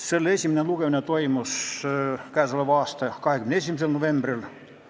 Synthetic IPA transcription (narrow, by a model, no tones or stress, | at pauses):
seolesʲiminenluɡ̥eminet̪oimos | kæːsoleʋɑːst̪ɑkɑhekymeneesimiselnoʋemb̥ril